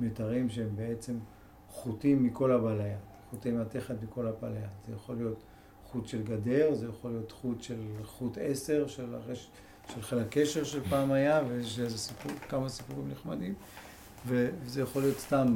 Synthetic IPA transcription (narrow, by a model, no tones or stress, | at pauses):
metaʁimʃeembee̞t͡se̞m | χutimːiko̞lhabalajatχut̪emat̪e̞χet̪miko̞labalajatz̥ejaχo̞lijo̞t | χut̪ʃe̞lɡade̞ʁzejaχo̞lijo̞t̪χut̪ʃelχute̞se̞ʁʃela̰ʁe | ʃelχelake̞ʃeʁʃelpaːmajaveʃezesipukamasipuʁimniχmad̪im | vevezejaχo̞lijo̞t̪st̪am